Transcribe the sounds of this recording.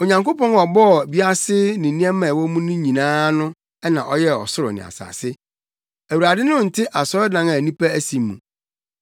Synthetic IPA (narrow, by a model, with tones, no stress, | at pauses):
o˨ɲã˨ŋko˦pɔ̃˦nɔ˨bɔ˦˨bi˦a˦sɪ˦nɪ̃˨nĩ˦ɛ˦mã˨wɔ˦mũ˦nʊ̃˦ɲĩ˨nãː˦nʊ̃˦ | ɛ˦nã˨ʔɔ˦jɛ˦ɔ̰˨sʊ˦ɾʊ̰˨nɪ̰̃˨a̰˨sa̰ː˨sɪ˦ | æ˨wu˨ɾa˨dɪ˦nʊ̃˦n̩˨tʰɪ˦ʔa˨sɔ˦ɾɔ˦dã˨ŋa˨nĩ˦pʰæ˦æ˦sĩ˨mṵ̃˨